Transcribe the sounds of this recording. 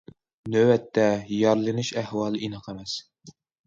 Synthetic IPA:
nøwɛt̪ʰːɛjɑɾlˠɨnuʃæhwɑːlˠinɨqemɛs

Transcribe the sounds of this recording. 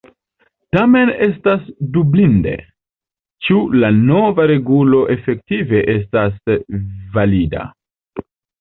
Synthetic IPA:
tame̞ne̞stasdublinde̞̰ | t͡ʃulano̞vaɾe̞ɡulo̞ʔe̞fe̞k̚tive̞ʔe̞s̬tas | valida̰

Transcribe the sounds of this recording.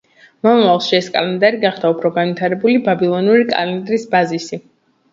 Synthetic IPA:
mɔmavalˠʃiɛskʼa̰lɛnd̪aɾiɡaχd̪aupʰɾɔɡanvwit̪ʰaɾɛbulibabilˠɔnuɾikʼa̰lɛnd̪ɾisbazisi

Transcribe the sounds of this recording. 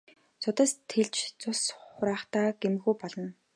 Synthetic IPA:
sʊt̪ə̆st̪ʰeɮt͡ɕt͡sʊsχʊɾaːχt̪aːɡ̥em̆xuːpɔɮɞ̆n

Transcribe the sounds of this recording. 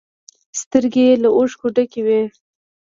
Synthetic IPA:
st̪əɾɡelaʔoʂkoɖakewe

